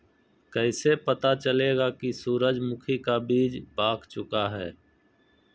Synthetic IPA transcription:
kɛɪsepət̪at͡ʃəleːɡakisuːɾəd͡ʒmʊkʰikabiːd͡ʒbaːkʰt͡ʃʊkaɦɛː

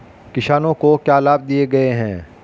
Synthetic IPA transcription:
kɪʃaːnõkokjaːlaːb̚d̪ieɡɐeɦɛ̃ː

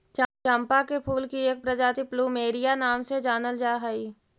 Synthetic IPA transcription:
t͡ʃãmpakepʰuːlkieːk̚pɾəd͡ʒaːt̪ipluːmeːɾijanaːmsed͡ʒaːnəld͡ʒaːɦəiː

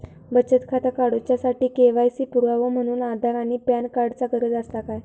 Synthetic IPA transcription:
bət͡ɕət̪kʰat̪akaɽot͡ɕjasaʈiːkeʋajsiːpuɾʋaʋəm̤əɽ̃uːnad̪ʱaɾaɽ̃ipjankaɽt͡saɡəɾəd͡zəst̪akaj

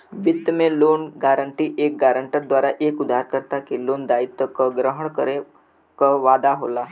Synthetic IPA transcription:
ʋit̪ːəmelonɡaɾəɳʈiːʔek̚ɡaɾəɳʈəɾd̪ʋaɾaʔekud̪ʱaɾkəɾt̪akilond̪ait̪ːəkəɡɾəɦəɳkəɾe | kəʋad̪aɦo̰la

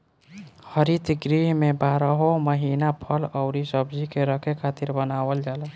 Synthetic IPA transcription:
həɾit̪ɡɾiɦmebʱaːɾəɦoməɦinapʰəlɔʊɾisəbd͡ʒikeɾəkʰekʰat̪iɾbənawəld͡ʒalə

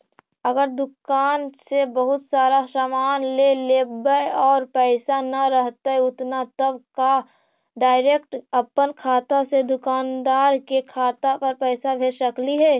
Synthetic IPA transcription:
əɡəɾd̪ʊkaːnsebəɦʊt̪saːɾasamaːnleleːbəjɔːɾpɛːsanɐɾəɦt̪aɛʊt̪nat̪əbka | ɖaːɪɾekʈəpːənkʰaːt̪ased̪ʊkaːnd̪aːɾkekʰaːt̪apəɾpɛːsabʱeɾʃəkliɦɛː

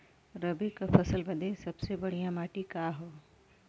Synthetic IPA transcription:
ɾɐbekafɐsəlbɐd̪esɐbsebɐɽ̤ijãmaːʈikaːɦoː

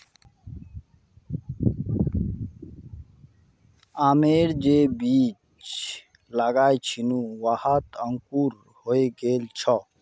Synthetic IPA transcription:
aːmeːɽd͡ʒebiːt͡ʃ | laɡaːjt͡ʃʰinuwahət̪əŋkuːɾ | hoeɡeːlt͡ʃʰɔ

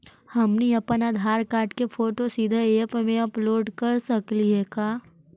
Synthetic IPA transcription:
hɐmniɐpənaːd̪ʱaːɾkaːʈkefʰoːʈosid̪ʱəeːpmẽɐploːɖkɐɾsɐkliɦɛkaː

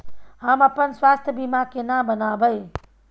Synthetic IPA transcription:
ɦaːmɐpənsʋaːst̪ʰjəbimakenabənaːbʱəe

